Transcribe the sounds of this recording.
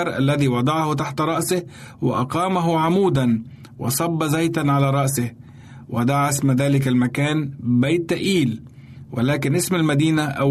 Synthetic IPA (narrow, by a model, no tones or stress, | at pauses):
ɾˤʔa̰lːæðiːwɑd̪ˤɑʕhʊt̪aħt̪ɾˤɑʔsɪhwɪ̰ʔɑqɑːmaɦʊʕamuːd̪an | wɑ̰sˤɑbːɑzajt̪anʕalaːɾˤɑʔsɪh | wɪd̪aʕsmaðaːlɪk̬almakaːnbajt̪ʔiːl | wɪlaːkɪnʔɪsmalmad̪iːnaʔa